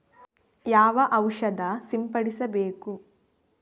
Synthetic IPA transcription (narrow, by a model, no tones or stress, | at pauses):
jaːʋɐʔɐwʂɐd̪ɐsimpɐɽisɐbeːku